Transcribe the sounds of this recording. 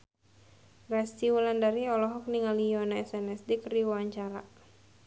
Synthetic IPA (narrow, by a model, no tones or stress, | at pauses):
ɡast͡ʃiwulandaɾiɔlɔɦɔk̚niŋalijɔnaɛsɛnɛsdikɾiwaɲt͡ʃaɾa̰